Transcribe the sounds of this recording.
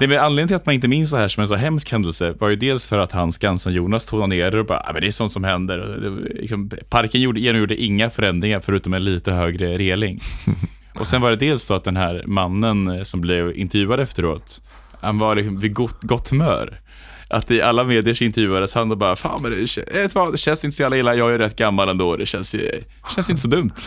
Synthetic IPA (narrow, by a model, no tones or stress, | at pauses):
nɛmɛanleːd̪nəɪlat̪manɪnt̪̬əmɪns̬d̪ɛɦæːʂɔmɛnsɔɦɛmskhɛnd̪əlsəvaɾjɵd̪eːlsfœɾat̪hanskansanjuːnast̪ʰuːɡnaneːɾaɾɔbɑ̰ɾ̰a̰ːmɛnd̪ɛæʂɔnt̪sɔmhɛnd̪əɾɔ̰d̪ɛ̰lɪ̰ksɔmpʰaɾkənjuːɖəjeːnɔmjuːɖəʔɪŋːafœɾɛnd̪ɾɪŋaɾfœɾʉ̟ːt̪ɔmɛnliːt̪əɦøːɡɾəɾeːlɪŋ | ʔɔsɛnvaɖɛd̪eːlsd̪̥ɔat̪̚d̪ɛnɦæːɾmanːənsɔmblɪvɪ̰nt̪ɛɾjʉ̟ːad̪əɛft̪əɾo̰ːt̪ | hanvalɪksɔmvɪɡt̪ɡɔt̪ʰːmœ̰ːɾ | ʔa̰t̪ɪʔalːameːd̪ɪəʂɪnt̪ɛɾvjʉ̟ːad̪əshand̪ɔbɑːɾafa̰ːmɛd̪ɛɛ̰ɛt̪ʰvɑd̪ɛɕɛnsɪnt̪əsɔjalːaɪlːajɑːɡæɾɛt̪ːɡamːalɛnd̪oːd̪ɛɕɛnsj̰ | ɕɛnsɪnt̪əs̬ɔd̪ɵmt̪